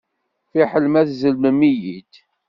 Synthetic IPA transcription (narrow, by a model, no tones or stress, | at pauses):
fiħəlmæθzəlməmijid̪